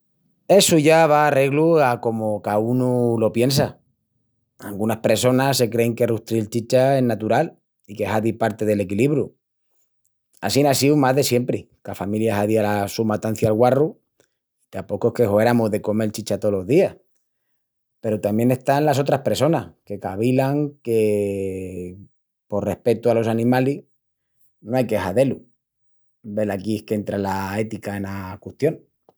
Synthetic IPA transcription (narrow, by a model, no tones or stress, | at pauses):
e̞suʝaβ̞aːre̞ɣluako̞mokaunulo̞pje̞nsa | a̰lɡunahpɾe̞so̞nase̞kɾe̞ŋke̞ruht̪ɾilt͡ʃit͡ʃae̞nat̪uɾal | ike̞haðipaɾt̪e̞ð̞e̞le̞kiliβɾju | a̰sinasiumazðe̞sje̞mpɾi | kafamiljaɦaðialasumat̪an̟θjalɣwaru | it̪apo̞koehkehoeɾamuzðe̞ko̞me̞lt͡ʃit͡ʃat̪o̞lo̞zðiah | pe̞ɾot̪amje̞ne̞st̪anlaso̞t̪ɾahpe̞ɾso̞nahke̞kaβilaŋke̞ | po̞rre̞hpe̞t̪ualo̞sanĩmali | noajke̞xaðe̞lu | be̞lakihke̞nt̪ɾalaet̪ikae̞nakuht̪jo̞n